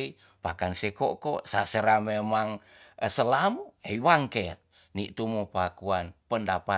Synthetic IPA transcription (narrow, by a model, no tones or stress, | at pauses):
i | pakansekokosaseɾamemaŋ | səlamueiwaŋkɛr | niʔt̪umupakuanpəndapa